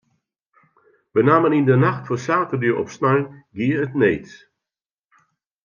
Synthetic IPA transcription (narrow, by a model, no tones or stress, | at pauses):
bənaːmənindənaxtfɔsaːtərdyːɾʔɔ̰psnalɡiəətneːts